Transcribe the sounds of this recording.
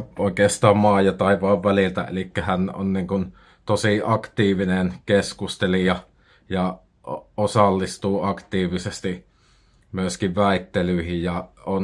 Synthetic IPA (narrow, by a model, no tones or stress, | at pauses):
oˑikeːst̪ɑːmmɑːjot̪ɑˑiʋɑˑʋʋælilt̪æ̰ḛlikːæhæno̰nniːŋkun | t̪osiʔɑkt̪iːʋinenkeskust̪elijɑ | jɑ | osɑlːist̪uːɑkt̪iːʋisest̪i | myøskiʋʋæˑit̪ːelyihijjɑon